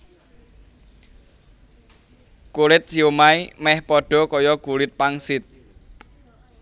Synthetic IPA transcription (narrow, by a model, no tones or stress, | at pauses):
kulɪt̪̚siomaimɛhpɔɖ̥ɔ̤kɔjɔɡ̥ulɪt̪̚paŋsɪt̪̚